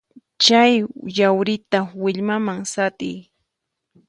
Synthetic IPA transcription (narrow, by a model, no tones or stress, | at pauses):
t͡ʃajjawɾɪt̪awɪʎmamaŋsat̪ɪ̰j